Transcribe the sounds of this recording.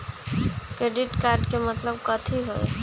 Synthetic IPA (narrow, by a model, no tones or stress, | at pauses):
kɾeɖiʈkaːɾɖkemət̪ləbkət̪ʰiɦoe